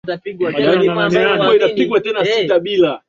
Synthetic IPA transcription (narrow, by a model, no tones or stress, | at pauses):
tapiɡwakanikuɔinapiɡwatɛnasitaɓila